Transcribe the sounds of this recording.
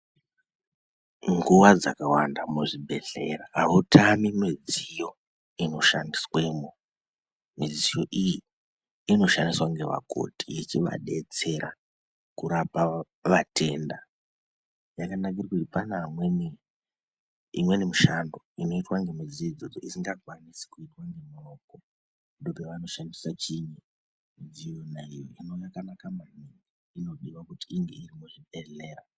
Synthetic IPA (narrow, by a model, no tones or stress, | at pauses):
ŋɡuʋad͡zakawandamuʐibʱe̞ɬe̞̰raɦautʰamimid͡zijo̞ | ino̞ʃandiswe̞mu | mid͡zijoʔiji | ino̞ʃandiswaŋɡe̞ʋa̰ko̞̰tijit͡ʃiʋa̰ɗe̞t͡se̞ɾa̰ | kuɾapa | ʋate̞nda | jakanak̬irkutipanamweni | ḭmwe̞nemuʃando̞ino̞itwaŋɡemid͡ziid͡zo̞d͡zo̰ʔisiŋɡaɡʱwanisi̥kuitwaŋɡe̞muroko | ndopeʋano̞ʃandisat͡ʃiɲi | id͡zijonaijo̰ino̞jakanakamaniŋi | ino̞ɗiʋakutiːŋɡe̞iɾimuiɗeɮeːra